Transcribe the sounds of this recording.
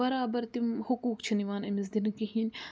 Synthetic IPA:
ɐɾaːbɐɾt̪imhʊkuːkt͡ʃʰiniʋaːnɐmɪzd̪inkiɦiːnʲ

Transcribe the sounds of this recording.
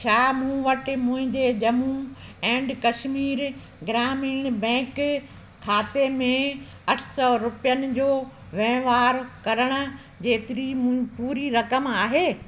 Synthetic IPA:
t͡ɕʰaːmũʋɐʈɪ̆mʊ̃ɦɪ̃ɲd͡ʑed͡ʑɐmuɛ̃ːɳɖkɐʃmiːɾ | ɡɪɾaːmiːɽ̃bɛ̃ːk | kʰːaːt̪emẽ | ɐʈʰsɔɾʊpijənɪ̆d͡ʑoːʋẽːʋaːɾkɐɾəɽ̃ʊ̆ | d͡ʑeːt̪ɪɾimũɪ̃puːɾiɾɐkəmaːɦeː

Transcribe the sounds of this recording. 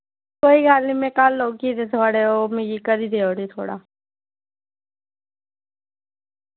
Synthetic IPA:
koːiɡaːlnimẽkaːlːoːɡkid̪et̪ʰoaːɽeomẽjikəɾiːd̪eoːɾit̪ʰo̰ːɽa̰ː

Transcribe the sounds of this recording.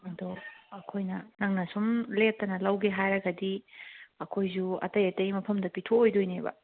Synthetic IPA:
ɐdoɐkʰojnɐnɐŋnɐsumlep̚tːɐnɐlɐwɡeɦajɾɐɡɐdiɐkʰojzuɐ̰tɐjɐtɐjmɐpʰɐmdɐpitʰoːjdojnebɐ̰

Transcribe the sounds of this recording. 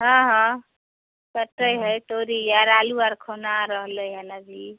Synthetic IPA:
ɦʌ̃ɦʌ̃ | kəʈːəjɦəjt̪oɾijaɾaluaɾkʰonaɾʌɦləɦanad͡ʒi

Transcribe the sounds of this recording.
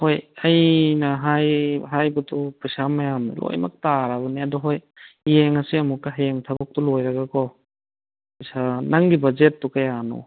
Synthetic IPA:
hojɐjnɐɦajɦajbutʰupɯjsamɐjamnḭlo̰jma̰k̚taɾabɐniɐdɔɦoj | jeŋɐsiɐmukːaɦajeŋtʰabɐk̚tɔlojɾaɡakʰɔ | pɯjsanaŋɡibɐzet̚ːukajanɔ̰

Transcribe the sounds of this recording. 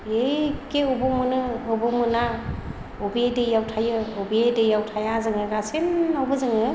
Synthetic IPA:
ekeubɔmɯnɯːbomɯna | ubedɯjawtʰajɯobedɯjawtʰajazɯŋɯɡasenawbɯzɯŋɯ

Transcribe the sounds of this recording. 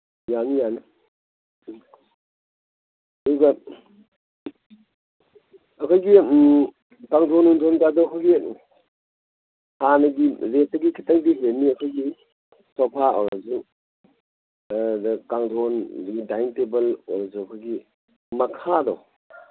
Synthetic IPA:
janijanɯ | ɐduɡɐ | ɐkʰojɡi | kaŋdonuntʰonkadɔkʰɔɡi | hanɐɡiɾetɐɡikʰitaŋdiɦenːiɐkʰojɡi | sɔpʰaɔ̰ɾazu | dkaŋdʰʱondɡidajntebɐlɔɾazukʰɔjɡi | mɐkʰadɔ̰w

